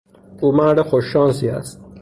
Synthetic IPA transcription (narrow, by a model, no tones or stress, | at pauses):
ʔuːmæɾd̪exoʃːɒːnsiːæ̰st̪̚